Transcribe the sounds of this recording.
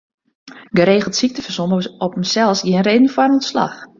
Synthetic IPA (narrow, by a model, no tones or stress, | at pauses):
ɡəɾeːɣəl̩ˠtsik̚təfərsoməɔpəm̩sɛlˠsjinreːdən̩fwarənɔntsla̰x